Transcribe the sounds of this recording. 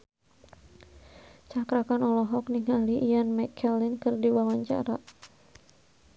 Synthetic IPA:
t͡ʃakɾakanɔlɔɦɔk̚niŋɦaliʔijanmɛkʰɛlɪnkɨrdiwawaɲt͡ʃa̰ɾa̰

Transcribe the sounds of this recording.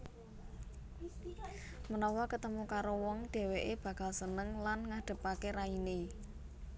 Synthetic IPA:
mənɔwɔkət̪əmukaɾowɔŋɖ̪̥e̤weʔeb̥ä̤ɡ̥a̤lsənəŋlanŋaɖ̪̥ə̤pakeɾaine

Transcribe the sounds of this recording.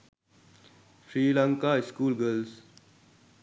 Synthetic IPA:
fɾiːlãŋkaɪskuːlɡəls

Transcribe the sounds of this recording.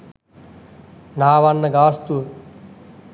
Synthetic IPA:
naːʋɐnːɐɡaːst̪u

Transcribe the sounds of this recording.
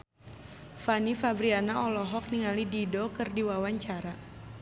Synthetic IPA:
fanifabɾianaʔɔlɔɦɔk̚niŋalididɔkɨrdiwawaɲt͡ʃaɾa

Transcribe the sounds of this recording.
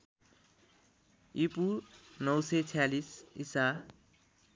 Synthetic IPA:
ipunʌwset͡sʰjalisisa

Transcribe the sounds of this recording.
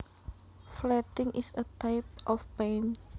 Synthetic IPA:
flɛt̪ɪŋʔisət̪ajp̚ʔɔfpãn

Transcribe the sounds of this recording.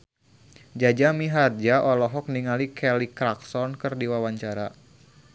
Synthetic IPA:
d͡ʒad͡ʒamiɦard͡ʒaʔɔlɔɦɔk̚niŋalikʰɛlikɾaksɔnkɨrdiwawaɲt͡ʃaɾa

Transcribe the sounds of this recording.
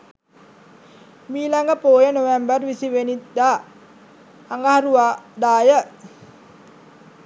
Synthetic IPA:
miːlaŋɡəpoːjənoʋembərʋisiʋenid̪a | ŋɡaɦaɾuad̪aːjə

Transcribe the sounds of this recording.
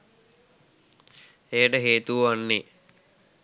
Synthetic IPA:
ejəʈəɦeːt̪uʋanːe

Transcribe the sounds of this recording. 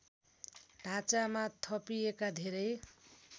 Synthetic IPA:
ɖʱat͡samat̪ʰʌpiekad̪ʱeɾʌj

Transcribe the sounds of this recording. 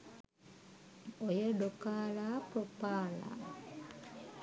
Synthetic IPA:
ojəɖokaːlaːpɾopaːla̰ː

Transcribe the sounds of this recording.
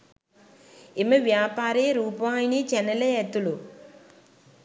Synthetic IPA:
imːɐʋjaːpaːɾijɐɾuːpɐʋaːjinit͡ɕenɐlɐet̪ːulu

